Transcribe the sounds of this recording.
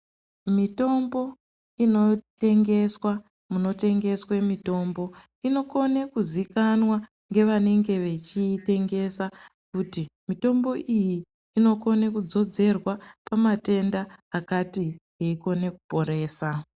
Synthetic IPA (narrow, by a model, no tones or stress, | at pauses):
mito̞mbo̞ | ino̞te̞ŋɡe̞swa | muno̞te̞ŋɡe̞swe̞mito̞ːmbo̞ | ino̞ko̞nekuzikanwa | ŋɡe̞ʋane̞ŋɡe̞ʋe̞t͡ʃite̞ŋɡe̞sakutimito̞mbo̞ʔiji | ino̞ko̞nekud͡zo̞d͡ze̞rwapamate̞ndaːkatiɦeiko̞ne̞ku̥po̞ɾe̞ːsa